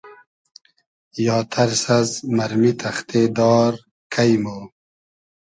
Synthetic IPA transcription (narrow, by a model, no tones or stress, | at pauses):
jɑːt̪ʰɐɾsɐzmɐɾmit̪ʰɐxt̪ʰeːd̪ɑːɾ | kʰɐjmo